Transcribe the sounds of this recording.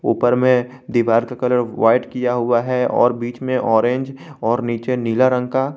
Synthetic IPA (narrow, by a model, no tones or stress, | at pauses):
ṵːpəɾmẽ | d̪iʋaːɾkakɐləɾʋaːɪʈkijaɦʊaɦɛɔ̰ːɾbiːt͡ʃmẽʔɔːɾẽːɲd͡ʒɔːɾniːt͡ʃeniːlaɾə̃ŋɡka